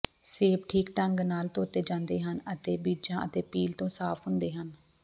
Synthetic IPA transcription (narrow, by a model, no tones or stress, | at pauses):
seːpʈʰiːkʈəŋɡnaːlt̪oːt̪eːd͡ʒãːnd̪eːɦənət̪eːbiːd͡ʒãːʔət̪eːpiːlt̪õːsaːpʰɦʊnd̪eːɦən